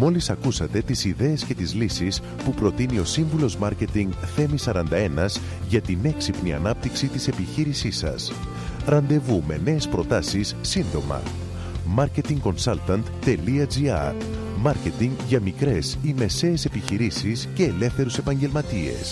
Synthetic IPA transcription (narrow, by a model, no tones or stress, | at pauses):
mo̞lisɐkusɐt̪e̞t̪isiðe̞ːsce̞t̪izlisis | pupɾo̞t̪inio̞siɱvulo̞zmɐɾce̞t̪iŋɡθe̞misɐɾɐnd̪ɐe̞nɐz | ʝɐt̪ine̞ksipniɐ̰nɐp̚t̪iksit̪ise̞piçiɾisisɐ̰s | ɾɐnd̪e̞vume̞̰ne̞ːspɾo̞t̪ɐsisːind̪o̞mɐ̰ | mɐɾce̞t̪iŋɡko̞nsɐlt̪ɐnt̪ːe̞liɐd͡ziɐ̰ɾ | mɐɾce̞t̪iŋɡʝɐmikɾe̞sime̞se̞ːse̞piçiɾisisce̞ːle̞fθe̞ɾuse̞pɐɲɟe̞lmɐt̪ie̞̰s